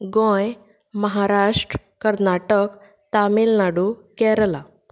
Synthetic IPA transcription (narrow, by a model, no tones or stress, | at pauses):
ɡõj | məɦaɾaʂʈɾəkəɾnaʈək | t̪amilnaɽukɛɾəla